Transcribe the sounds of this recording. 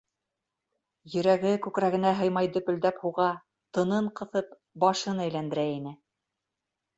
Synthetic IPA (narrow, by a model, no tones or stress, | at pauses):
jɵ̆ɾæɡɘkʉkɾæɡɘ̆næɦɤ̆jmɑjd̪ɵ̆pɵ̆ld̪æphuʁɑ | t̪ɤ̆nɤɴqɤ̆θɤp | bɑʃɤnæjlænd̪ɘ̆ɾæinɘ